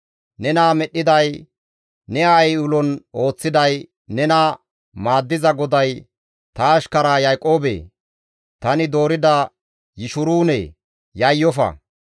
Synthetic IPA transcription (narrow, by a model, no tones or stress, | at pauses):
nɛnaːmɛɗːɪd̪ɐj | nɛajʊlɔno̞ːt͡sːɪd̪ɐj | nɛnaː | maːd̪ːɪzɐɡɔd̪ɐj | t̪ɐːʃkɐɾaːjɐjkʼo̞ːbḛː | t̪ɐnɪd̪o̞ːɾɪd̪ɐ | jɪʃʊɾuːnɛ̰ː | jɐjːɔfɐ̰